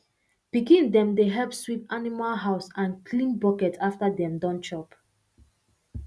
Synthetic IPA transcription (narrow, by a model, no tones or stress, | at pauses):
b̥ikĩndɛ̃mdeɦɛlpswipanimalɦaʊsãnkʰlĩnbɔkɛtʰaftadɛ̃mdɔ̃nt͡ʃɔp